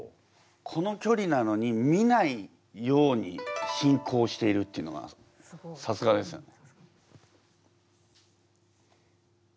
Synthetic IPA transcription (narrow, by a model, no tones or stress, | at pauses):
kʰo̞no̞kʲo̞ɾʲinano̞ɲ̟imʲinai | jo̞ːɲ̟iɕĩŋkʰo̞ːɕi̥t̪e̞iɾɯ̟t̪ːeiɯ̟noɡa̰ | sasɨɡad̪e̞sɨ̰n